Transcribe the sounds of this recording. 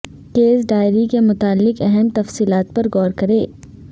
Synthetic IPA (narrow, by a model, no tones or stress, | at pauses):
keːzɖaːɪɾikemʊt̪aːlːɪqɛɦɛmt̪ɐfsiːlaːt̪̚pɐɾɣɔːɾkɐɾeː